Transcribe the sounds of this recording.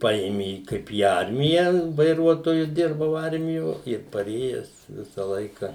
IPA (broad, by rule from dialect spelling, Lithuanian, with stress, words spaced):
ˈpɐeːmʲeː ˈkɐɪp iː ˈɐrʲmʲɪjæː ʋɐɪˈruɔtoːjʊ ˈdʲɪrbɐʊ ˈɐrʲmʲɪjoː ɪr pɐˈrʲeːjɛs ˈʋʲɪsɐ ˈlˠɐɪkɐ